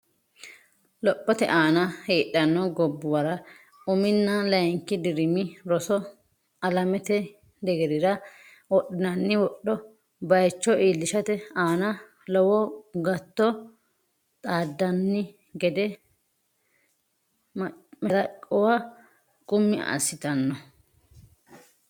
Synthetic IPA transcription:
lɔpʼːɔt̪ɛ̰ʔaːnɐheːʔːɐnːɔɡɔbːʊwɐɾɐ | ʊmɪnːɐlɐjɪŋkːɪd̪ɪɾɪmɪɾɔsɔ | ɐlɐmɛt̪ɛ | d̪ɛɡɛɾɪɾɐ | wɔɗɪnɐnːɪwɔɗːɔ | bɐjt͡ʃːɔʔiːlːɪʃɐt̪ɛaːnɐ | lɔwɔɡɐt̪ːɔ | t̪ʼaːd̪ːɐnːɪ | ɡɛd̪ɛ | mmɐɾɐkʼɔwa | kʼʊmːɪa̰sːɪt̪ɐnːɔ

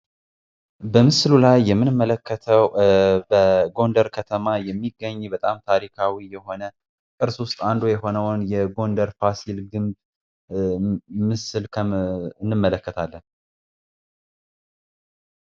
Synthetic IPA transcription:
bəmɨslulajːɛmːɨnɨmːələkːət̪ʰəwbəɡo̞nd̪əɾkʰət̪ʰəmajɛmːiɡːəɲːbət̪ʼamt̪ʰaɾikʰawijɛho̞nə | kʼɨɾswʊst̪ʼand̪ojɛho̞nəwnjɛɡo̞nd̪əɾfasilɡɨmb | mɨsɨlkʰəɨnːɨmːələkːət̪ʰalːən

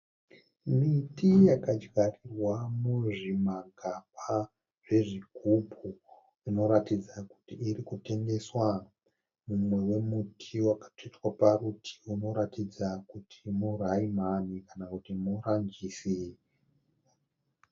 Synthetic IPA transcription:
mitijakad͡ʒɡarirwamuʐimaɡʱapa | ʐ̥e̞ʐikupu | rino̞ɾatid͡zaku̥tiːɾikute̞ŋɡe̞swa | mumwe̞we̞mutʰiwakḁtitwaparutʰi̥uno̞ɾatid͡zakutʰimuraimanikanakutimurand͡ʒisi

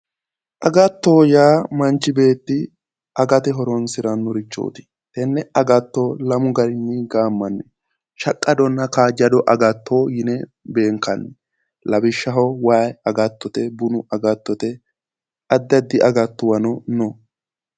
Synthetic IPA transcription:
ʔɐɡɐt̪ːoːjaːmɐnt͡ʃːɪbe̞ːt̪ːɪ | ʔɐɡɐt̪ɛɦɔɾɔnsɪɾɐnːʊɾɪt͡ʃːo̰ːt̪ɪ̥ | t̪ɛnːɛʔɐɡɐt̪ːoːlɐmʊɡɐɾɪnːiɡaːmːɐnːɛ | ʃɐkʼːɐd̪ɔnːɐkaːd͡ʒɐd̪ɔʔɐɡɐt̪ʰːoːjɪnɛ | be̞ːŋkːɐnːɛ | lɐbɪʃːɐɦɔwaːjɐɡɐt̪ːɔt̪ɛbʊnʊʔɐɡɐt̪ːɔt̪ɛ | ɐd̪ːɐd̪ːɪɐɡɐt̪ːʊwɐnɔnɔ

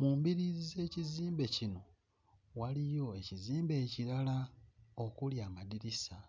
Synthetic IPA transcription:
muːmbiɾizize̞ːciziːmbe̞cino̞ | walijo̞e̞ciziːmbe̞ːciɾalao̞kuljaːmadiɾisa

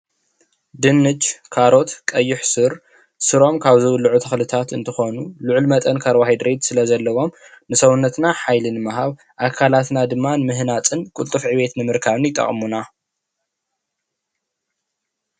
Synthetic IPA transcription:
d̪ɨnːɨd͡ʒkʰaɾo̞t̪kʼɐjːɪħsɨɾ | sɨɾo̞mkʰaβzɨwʊlːuʕut̪ʰɐxlɨt̪ʰat̪ɨnt̪ʰɨxo̞nuluʕlmɐt̪ʼɐnkʰɐɾwahid̪ɾed̪sɨlɐzɐlːɐwo̞mnɨsɐwunːɐt̪naħajlɨnɨmaɦaβ | ʔakʰalat̪nad̪ɨmːanɨmɨɦnat͡sʼɨnkʼult̪ʼɨfʕiβe̞t̪nɨmɨɾkʰaβɨnjɪt̪ʼːɐ̰χʼmuna

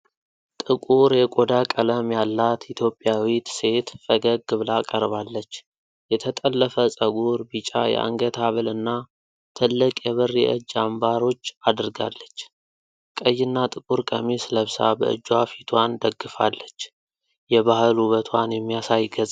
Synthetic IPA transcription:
t̪ʼɨkʼuɾjɛkʼod̪akʼələmjalːat̪it̪ʰjo̞pʼːjawit̪se̞t̪fəɡəɡɨβlakʼəɾβalːət͡ʃː | jɛt̪ʰət̪ʼəlːəfəsʼəɡuɾbit͡ʃʼa̰jɛ̰ʔa̰ŋɡət̪ʰaβɨlɨnːa | t̪ʰɨlːɨkʼjɛβɨrːiʔə̰d͡ʒːambaɾo̞t͡ʃːad̪ɾɡa̰lːət͡ʃː | kʼəjːɪnːat̪ʼɨkʼuɾkʼəmisləβsa̰bə̰ʔɨ̰d͡ʒːwafi̥t̪ʰwand̪əɡːɨfa̰lːət͡ʃː | jɛβahɨlhuβət̪ʰwanjɛmːijasajɡəzʼ

